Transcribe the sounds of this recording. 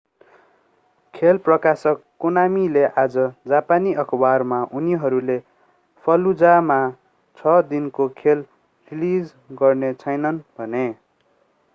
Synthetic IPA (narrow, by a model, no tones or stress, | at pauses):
kʰelprʌkasʌkːonamileʔad͡zʌd͡zapaniʌkʰbarmaʔuniɦʌɾule | pʰʌlud͡zama | t͡sʰʌd̪inkokʰel | rilid͡z | ɡʌrnet͡sʰʌjnʌnbʱʌne